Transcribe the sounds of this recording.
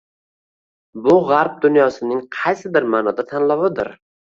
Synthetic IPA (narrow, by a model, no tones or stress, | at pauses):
bʊʁaɾp̚d̪ʊnjɒsɪnɪŋqʰɑjsɪb̪ɪɾmaːnɒd̪at̪ʰanlˠɒwɪd̪ɪ̰ɾ